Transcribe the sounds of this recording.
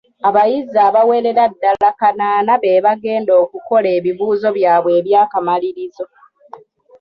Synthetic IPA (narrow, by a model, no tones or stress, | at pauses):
aβajizaːβawe̞ɾe̞ɾadːalakanaːnaβe̞ːβaɡe̞ːndo̞ːkuko̞leːβiβuːzo̞βjaːβwe̞ːβjaːkamaliɾizo̞